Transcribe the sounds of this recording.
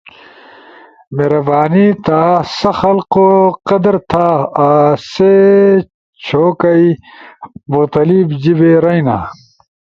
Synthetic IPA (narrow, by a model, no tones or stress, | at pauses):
meːɾɐbaːnit̪ʰaːsɐxɐlqoqɐd̪ɐɾt̪ʰaː | se | t͡ɕʰoːkɐi | muɣt̪ɐliːbd͡ʑibeːɾɐjna̰ː